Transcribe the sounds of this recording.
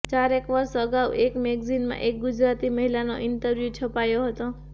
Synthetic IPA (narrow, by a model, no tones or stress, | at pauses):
t͡ʃaɾekʋəɾʃəɡawʔekmeɡzinmã̰ʔek̚ɡud͡ʒɾat̪iməɦilano̰ʔɪnʈəɾʋjut͡ʃʰəpajoɦət̪o